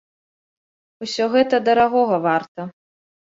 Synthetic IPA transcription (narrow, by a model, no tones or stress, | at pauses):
usʲɔɣɛt̪ɐd̪ɐɾaɣɔɣɐvart̪ɐ